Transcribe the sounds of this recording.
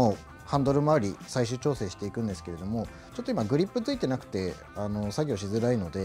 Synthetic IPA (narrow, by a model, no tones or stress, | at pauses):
oː | hãnd̪o̞ɾɯ̟maɾʲisaiɕ̬ɨːt͡ɕo̞ːse̞ːɕi̥t̪e̞ikɯ̟̃nd̪esɨ̥ke̞ɾe̞d̪o̞mo̞ | t͡ɕo̞t̪ːoimaɡɯ̟ɾʲipːɯt͡sɨit̪e̞nakɯ̟̥t̪e̞ | ano̞saɡʲio̞ɕizɨɾaino̞d̪e̞